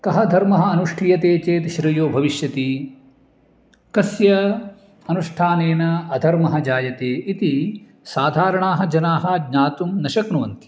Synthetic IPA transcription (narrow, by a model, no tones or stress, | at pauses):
kɐɦɐd̪ʱɐɾmɐɦɐɐnuʂʈʰijɐt̪eːt͡ʃeːt̪ʃɾijoːbʱɐʋiʃjɐt̪i | kɐsjɐ | ɐnuʂʈʰaːneːnɐɐd̪ʱɐɾmɐɦɐd͡ʒaːjɐt̪eːʔit̪i | saːd̪ʱaːɾɐɳaːɦɐ̆d͡ʒɐnaːɦɐdɲaːt̪umnɐʃɐknuʋɐnt̪i̥